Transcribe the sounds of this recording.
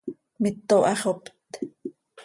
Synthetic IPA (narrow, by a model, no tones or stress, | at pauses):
mit̪ːoʔɑχopt̪